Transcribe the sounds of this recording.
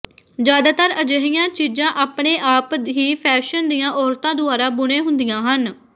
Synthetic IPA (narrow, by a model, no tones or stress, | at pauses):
d͡ʒjaːd̪aːt̪əɾəd͡ʒəɦɪjãːt͡ʃiːd͡ʒãːʔaːpɳeːʔaːp̪ɦiːpʰɛːʃənd̪ijãːʔɔːɾt̪ãːd̪ʊaːɾãːbʊɽ̃ẽːɦʊnd̪ɪjãːɦən